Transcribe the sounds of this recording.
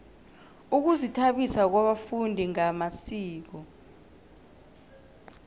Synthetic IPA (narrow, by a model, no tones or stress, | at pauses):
uk̬uzitʰaɓisak̬waɓafundʱiŋamasiːk̬ɔ